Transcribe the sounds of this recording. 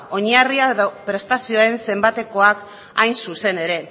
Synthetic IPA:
o̞ɲariaðopɾe̞st̪asio̞ae̞nse̞mbat̪e̞ko̞ak | ajnsuse̞ne̞ɾe̞

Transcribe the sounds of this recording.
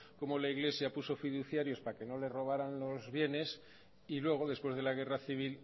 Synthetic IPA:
ko̞mo̞laiɣle̞sjapuso̞fiðuθjaɾjo̞spake̞no̞le̞ro̞β̞aɾanlo̞zβje̞ne̞s | ilwe̞ɣ̞oðe̞spwe̞zð̞e̞laɣ̞e̞raθiβ̞il

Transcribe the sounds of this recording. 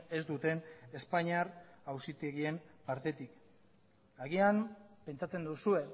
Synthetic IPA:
e̞zd̪ut̪e̞ne̞spaɲiaɾawsit̪eɣie̞mpaɾt̪e̞t̪ik | aɣiampe̞nt͡sat͡se̞nd̪usue̞

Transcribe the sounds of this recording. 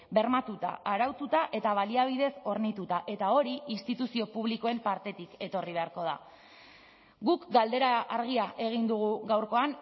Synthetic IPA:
be̞ɾmat̪ut̪a̰aɾawt̪ut̪aʔe̞t̪aβ̞aliaβ̞ið̞e̞so̞ɾnit̪ut̪aʔe̞t̪ao̞ɾiinst̪it̪usio̞puβ̞liko̞e̞mpaɾt̪e̞t̪ike̞t̪o̞riβ̞e̞aɾko̞ð̞a̰ | ɡukɡald̪e̞ɾaʔaɾɣ̞iaʔe̞ɣ̞ind̪uɣ̞uɣawɾko̞an

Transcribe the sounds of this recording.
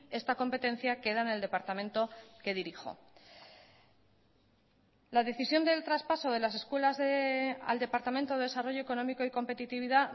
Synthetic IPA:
e̞st̪ako̞mpe̞t̪e̞n̟θjake̞ðaene̞ld̪e̞paɾt̪amẽ̞nt̪o̞ke̞ðiɾixo̞̰ | laðe̞θisjo̞nd̪e̞lt̪ɾaspaso̞ð̞e̞lase̞skwe̞lazðea̰ld̪e̞paɾt̪amẽnt̪oðe̞ðe̞saro̞ʝo̞eko̞nõ̞miko̞iko̞mpe̞t̪it̪iβ̞iða

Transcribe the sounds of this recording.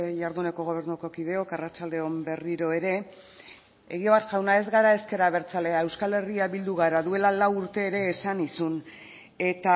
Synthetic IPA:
jaɾðune̞ko̞ɣ̞o̞β̞e̞ɾnuko̞kið̞e̞okarat͡ʃald̪e̞o̞mbe̞riɾo̞e̞ɾe̞ | eɣ̞ioβat̪ʝawnae̞zɣaɾae̞ske̞ɾaβ̞e̞ɾt͡sale̞ae̞wskale̞riaβild̪uɣ̞aɾaðue̞lalawuɾt̪e̞ːɾe̞ːsanisun | e̞t̪a

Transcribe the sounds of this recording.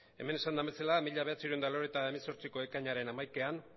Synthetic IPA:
e̞̰me̞ne̞sand̪ambe̞salamiʎaβat͡siɾuend̪aloɾet̪aemeso̞ɾt͡siko̞e̞kaɲaɾe̞namajkean

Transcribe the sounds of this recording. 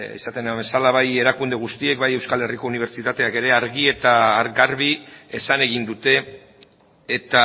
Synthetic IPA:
ḛsat̪e̞nambe̞salaβaje̞ɾakund̪e̞ɣust̪ie̞k̚baje̞wskale̞riko̞uniβ̞e̞ɾt͡ʃit̪at̪e̞ake̞ɾe̞aɾɣie̞t̪aːɾɣaɾβiesane̞ɣ̞ind̪ut̪e̞ | t̪a

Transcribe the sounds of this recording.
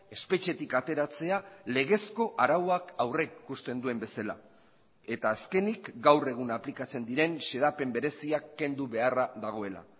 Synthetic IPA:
e̞spe̞t͡ʃe̞t̪ikat̪e̞ɾat͡se̞ale̞ɣ̞e̞sko̞ʔaɾawakawre̞kːust̪e̞nd̪ue̞mbe̞sala̰ | e̞t̪aːske̞nikɡawre̞ɣunaplikat͡se̞nd̪iɾe̞nse̞ðape̞mbe̞ɾe̞siakːe̞nd̪uβe̞araðaɣ̞o̞e̞la̰

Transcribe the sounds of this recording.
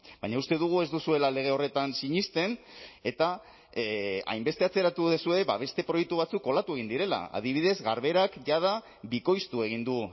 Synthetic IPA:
bajɲaust̪e̞ðuɣ̞ue̞zd̪usue̞lale̞ɣ̞e̞o̞re̞t̪ansiɲist̪e̞ne̞t̪a | a̰jmbe̞st̪e̞at͡se̞ɾat̪uðesue̞βa̰βe̞st̪e̞pɾo̞jek̚t̪uβat͡sukːo̞lat̪ue̞ɣ̞ind̪iɾe̞la̰a̰ð̞iβ̞iðe̞zɣaɾβe̞ɾakʝað̞a | βiko̞jst̪ue̞ɣ̞ind̪u

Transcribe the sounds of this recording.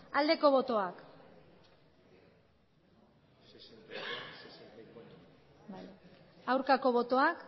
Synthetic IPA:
ald̪e̞ko̞βo̞t̪o̞ak | bajawɾkako̞βo̞t̪o̞ak

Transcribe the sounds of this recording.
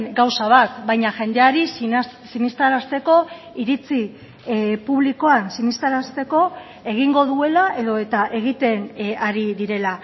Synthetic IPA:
ɡawsaβ̞at̪bajɲaʝe̞nd̪e̞aɾissinist̪aɾast̪e̞ko̞ | iɾit͡si | puβliko̞ansinist̪aɾast̪e̞ko̞ | e̞ɣ̞iŋɡo̞ðue̞laʔe̞ðo̞e̞t̪aʔe̞ɣ̞it̪e̞naɾiðiɾe̞la

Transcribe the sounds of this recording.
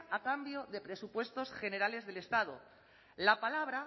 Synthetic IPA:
akambjo̞ðe̞pɾe̞supwe̞st̪o̞sxe̞ne̞ɾale̞zðe̞le̞st̪að̞o̰ | lapalaβɾa

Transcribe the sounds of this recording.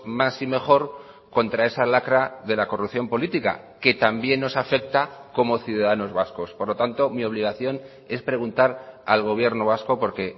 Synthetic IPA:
masime̞xo̞ɾ | ko̞nt̪ɾaesalakɾaðe̞lako̞rupθjo̞mpo̞lit̪ika̰ | ke̞t̪ambje̞nːo̞safe̞k̚t̪ako̞mo̞θjuðaðano̞zβasko̞spoɾlo̞t̪ant̪o̞mio̞β̞liɣ̞aθjo̞n | e̞spɾe̞ɣ̞unt̪aɾalɣ̞o̞β̞je̞ɾno̞β̞asko̞po̞ɾke̞

